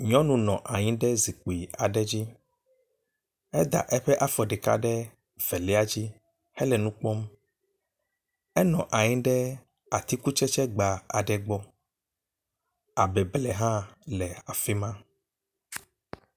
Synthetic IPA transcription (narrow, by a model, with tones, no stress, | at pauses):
ɲɔ̃˦nũ˦nɔ̃˨ʔa˨ɲĩ˦ɖɛ˦zi˨k͡po˨i˨a˨ɖɛ˦d͡ʑi˦ | ɛ˦d̪a̰˨ʔɛ˦ɸɛ˦ʔa˦fɔ˨ɖɛ˨ka̰˦ɖɛ˦ | v̥ɛ˨lɛ˦a˦d͡ʑi˦ | hɛ˦lɛ˨nũ˦k͡pɔ˦m | ɛ˦nɔ̰̃˨ʔa˨ɲĩ˦ɖɛ˦ | a˨t̪i˦ku˦t͡ʃɛ˦t͡ʃɛ˦ɡ͡ba˨a˨ɖɛ˨ɡ͡bɔ˦ | a˨bɛ˨blɛ˨ɦã˦lɛ˨a˨fi˦mã˦